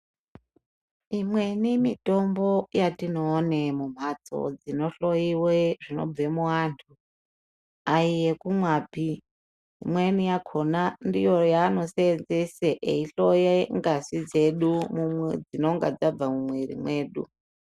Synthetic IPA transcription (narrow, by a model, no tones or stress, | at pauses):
imwe̞nimito̞mbo̞jatino̞ːnemum̤at͡so̞̰d͡zino̞ɬo̞jiweʐino̞̰vemuwaːntʰu | aije̞kumwaːpi | ḭmwenijakʰo̞nandijo̞jaːno̞seenzeseʔeiɬo̞jeŋɡasid͡ze̞ɗumumwḛd͡zino̞ŋɡad͡zab͡vamumweɾḭmwe̞ːɗṵ